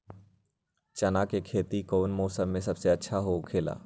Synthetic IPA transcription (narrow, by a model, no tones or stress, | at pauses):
t͡ʃɐnakekʰeːt̪ikoːnmoːsəmːẽsɐbseɐtːʃʰaɦokʰeːla̰ː